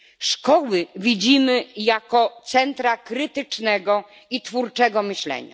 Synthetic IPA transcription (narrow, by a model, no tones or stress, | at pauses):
ʂkɔwɘvʲid͡ʑimɘjakɔt̪sɛnt̪ɾakɾɘt̪ɘt͡ʂnɛɡɔ | it̪fuɾt͡ʂɛɡɔmɘɕlɛ̰ɲa̰